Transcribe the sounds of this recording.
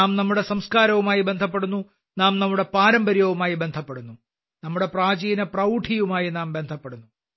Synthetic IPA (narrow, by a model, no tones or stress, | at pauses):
aːmnɐmːuɽe̞sɐmskaːɾɐʋumaːjibe̞nd̪ʱɐpːe̞ɽunːu | naːmnɐmːuɽe̞paːɾɐmbɐɾjɐʋumaːjibe̞nd̪ʱɐpːe̞ɽunːu | nɐmːuɽe̞praːd͡ʑɐjinɐprɐuʈʰijumaːjinaːmbe̞nd̪ʱɐpːe̞ɽunːu